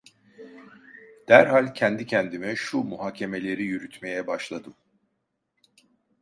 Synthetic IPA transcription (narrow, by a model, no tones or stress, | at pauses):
d̪̥æɾɦalʲcʰɛnd̪icʰɛnd̪imɛʃumuɦaːcʰe̞me̞lʲe̞ɾijyɾyt̪ʰme̞jɛbaʃlˠad̪ɯm